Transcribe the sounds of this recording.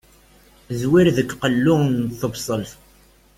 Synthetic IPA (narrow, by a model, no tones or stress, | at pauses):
zwiɾðəkːqəlːʊnθəbsˤəlθ